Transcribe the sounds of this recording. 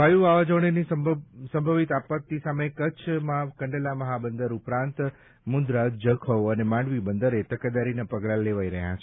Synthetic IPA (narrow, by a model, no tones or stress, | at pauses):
bʱajuʋaʋad͡ʒəʋɳenisəsə̃mbʱəʋit̪apət̪ːisamekət͡ʃʰmãkəɳɖelaməɦabənd̪əɾupɾãnt̪ | mund̪ɾad͡ʒəkʰəʋənemãɳɖʋibənd̪əɾet̪əkad̪aɾinapəɡlaleʋaiɾəɦja̰t͡ʃʰe